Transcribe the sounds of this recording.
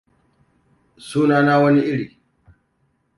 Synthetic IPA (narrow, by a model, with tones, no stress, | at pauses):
suː˦naː˦naː˦wɐ˦ni˦ʔɪ˦ɽiː˨